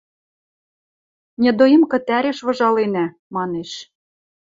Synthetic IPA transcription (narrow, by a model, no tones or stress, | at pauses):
nʲɛd̪ojimkɤ̆t̪æɾeʃβɤ̆ʒɑlenæ | mɑneʃ